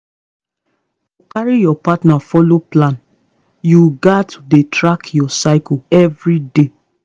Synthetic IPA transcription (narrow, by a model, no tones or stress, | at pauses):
ukaɹijɔpatnafɔloplãn | juɡatʰudetɹakjɔsaɪkuɛvɹide